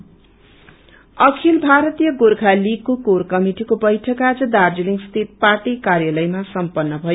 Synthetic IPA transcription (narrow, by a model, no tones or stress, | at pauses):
ʌkʰilbʱaɾʌt̪ijʌɡorkʰalikokorkʌmiʈikobʌjʈʰʌkad͡zʌd̪ard͡ziliŋɡst̪ʰit̪̚parʈikarjalʌjmasʌmpʌnːʌbʱʌj